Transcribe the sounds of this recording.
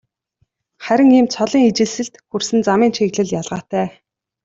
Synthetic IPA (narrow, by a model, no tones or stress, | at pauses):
χæɾʲɪ̆ŋiːmt͡sʰɔɮiːŋit͡ɕɪ̆ɮsɘ̆ɬt̪xursɘ̆nt͡samiːnʃʰeɣɮɘ̆ɮjaɮʁaːt̪æː